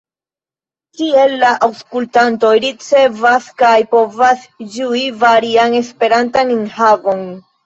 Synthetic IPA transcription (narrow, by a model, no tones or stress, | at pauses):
kie̞lːaʔawskultanto̞jɾit͡se̞vaskajpo̞vasd͡ʒuivaɾiane̞spe̞ɾantaninhavo̞n